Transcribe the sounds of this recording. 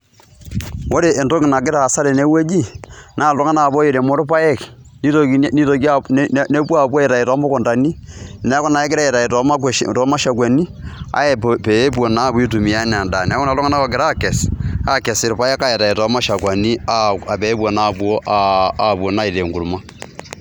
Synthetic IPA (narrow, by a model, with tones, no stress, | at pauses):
wo˦ɾe˨ʔe˨nto˦kɪ˨na˨k̬ɪ˦ɾaː˨sa˦ɾɛ˨ne˦we˦d͡ʒi˦naː˦˨lɔ˦ŋa˦na˨bɔ˦ji˨ɾe˨mo˦ɾpa˦jɛ˦˨k | ni˦to˦ni˦to˨ki˦a˨˦ne˦pwa˦˨bwɔ˦ɛ˨ɾa˨i˨tɔ˨˦mɔ˦kɔ˨nda˨ni˦nɛ˦kɔ˦na˨ɛ˦kɪ˦ɾa˦ɛ˨ta˨i˨tɔ˨˦ma˦ktɔ˨˦ma˦ʃa˨kwa˨ni˦a̰˦ɛ˨pɛ˨˦bo˨na˦bu˦i˦tu˨mi˨a˦n˨a˨nda˨nː˨˦kɔ˦na˨lɔ˦ŋa˦na˦kɔ˨kɪ˨ɾa˦˨kɛ˨sa˦kɛ˨sɪ˨ɾpa˦jɛ˦ka˦ɛ˨ta˨i˨tɔ˨˦ma˦ʃa˨kwa˨ni˦a˦a˨pɛ˨˦pu˦o˨na˦˨bu˨o˦ʔaa˨bo˨na˦i˨ɾe˨ŋɡu˨ɾma˦